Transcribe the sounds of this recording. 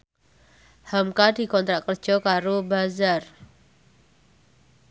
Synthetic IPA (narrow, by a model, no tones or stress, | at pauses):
hamkadi̤kɔnt̪ɾakər̥d͡ʒ̥ɔkaɾobazar